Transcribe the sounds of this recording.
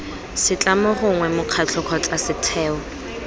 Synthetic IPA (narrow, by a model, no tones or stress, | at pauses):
sɪt͡ɬʼamɔχʊŋwɛmʊq͡χʰat͡ɬʰɔkʰɔt͡ɬʼasɪtʰɛːɔ